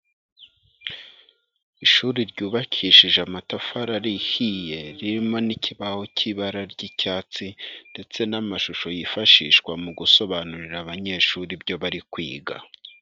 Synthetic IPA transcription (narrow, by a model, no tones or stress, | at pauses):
iʃuɾiɾɟuːβakʰiʃiʒeamatafaɾaɾihije̞ɾiɾimo̞niciβaho̞cʰiβaɾaɾɟicaːt͡sinde̞t͡se̞namaʃuʃo̞jifaʃiːʃkwamuɡuso̞βanuɾiɾaβaɲe̞ːʃuɾibɟo̞βaɾikwḭːɡa̰